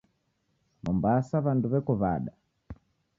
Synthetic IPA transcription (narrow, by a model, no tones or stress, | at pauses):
mɔmbasaβanduβɛkɔβa̰ɗa